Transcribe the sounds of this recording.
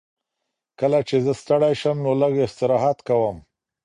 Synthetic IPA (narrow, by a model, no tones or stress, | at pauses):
kəlat͡ʃezəst̪əɽajʃəmnoləɡɪht̪ɪɾɑɦɑt̪kawəm